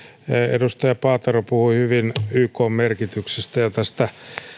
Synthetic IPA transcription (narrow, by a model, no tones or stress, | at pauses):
edust̪ɑjɑpɑːt̪ɑropuhuihyʋinyːkoːmmerkit̪yksest̪æjɑt̪æst̪æ